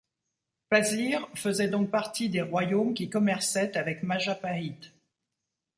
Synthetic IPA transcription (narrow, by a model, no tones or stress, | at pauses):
paziʁfəzɛd̪ɔ̃k̚paʁt̪id̪eʁwajomkʲikɔmɛʁsɛt̪avɛkmaʒapait̪